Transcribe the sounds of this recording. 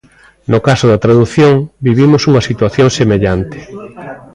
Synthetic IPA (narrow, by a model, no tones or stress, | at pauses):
nʊkasʊðɐt̪ɾaðuθjoŋbiβimʊsuŋɐsit̪waθjoŋsemeʎant̪ɪ̥